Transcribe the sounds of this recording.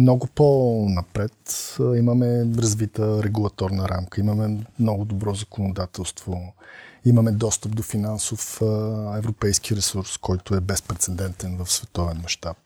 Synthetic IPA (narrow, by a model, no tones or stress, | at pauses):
mnɔɡʊponɐpɾɛt̪iməmɛɾɐzvit̪əɾɛɡulˠɐt̪ɔɾnəɾamkəiməmɛmnɔɡʊd̪obɾɔzəkonod̪at̪ɛlˠst̪vo | iməmɛd̪ɔst̪əp̚d̪ofinansofɛvɾopɛjsk̟iɾɛsuɾskʰɔjt̪ʊɛbɛspɾɛt̪sɛd̪ɛnt̪ɛnvəfsvɛt̪ɔvɛnmɐʃt̪ap̚